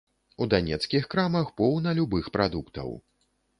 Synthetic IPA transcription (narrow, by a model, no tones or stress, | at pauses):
ud̪anʲɛt̪skʲixkɾamɐxpɔwnɐlʲubɨxpɾad̪ukt̪ɐ̰w